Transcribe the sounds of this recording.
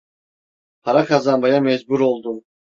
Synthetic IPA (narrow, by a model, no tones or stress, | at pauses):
pʰaɾakʰazanbajamɛzbuɾo̞lˠd̪um